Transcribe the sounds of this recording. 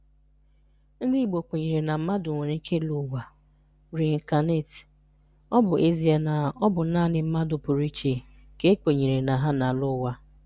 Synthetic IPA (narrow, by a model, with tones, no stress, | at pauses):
n̩˦dɪ˦i˨ɡ͡bo˨k͡pe˨ɲe˨ɾe˨na˨m̩˦ma˦dʊ˨ŋʷe˨ɾe˨˦ŋ̩˦kʰe˦lu˨wa˨ | ɾi˨ŋ̩˨ka˨ne˦˨t | ɔ˦bʊ˨ʔe˦zi˦a˨na˨ɔ˦bʊ˨˦naː˦˨nɪ˨m̩˦ma˦dʊ˨pʊ˨ɾi˦t͡ʃe˨ | ke˦ke˨ɲe˨ɾe˨na˨ɦa˦na˨lʊ˦wa˦